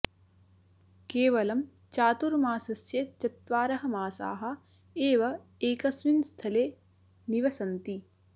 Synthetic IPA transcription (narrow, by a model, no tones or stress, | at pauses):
keːʋɐlɐm | t͡ʃaːt̪uɾmaːsɐsjɐt͡ʃɐt̪ʋaːɾɐɦɐ̆maːsa̰ːɦɐ̆ | eːʋɐ | eːkɐsminst̪ʰɐleː | niʋɐsɐnt̪i